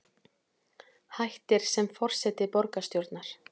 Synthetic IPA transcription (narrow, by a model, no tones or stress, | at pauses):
hajht̪ɪɾ̥sɛmfɔr̥sɛt̪ɪpɔɾkast̪jowɾt̪naɾ̥